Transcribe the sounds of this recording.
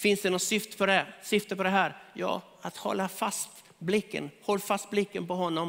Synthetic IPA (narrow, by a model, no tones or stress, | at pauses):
fɪnsd̪ɛnɔt̪sʏft̪ə̥pʰɔd̪ɛsʏft̪əpɔd̪ɛɦæːɾjɑ̰ː | at̪hɔ̰lːafast̪ | blɪkːə̰nhɔlːfast̪̚blɪkːənpɔɦɔnːɔm